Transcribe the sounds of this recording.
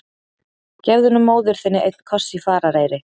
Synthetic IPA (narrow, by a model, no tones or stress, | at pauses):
cɛvðʏnːʏmːoːwðʏɾ̥θɪnːɪʔejt̪n̥kʰɔr̥sifaːɾaɾeːjɾɪ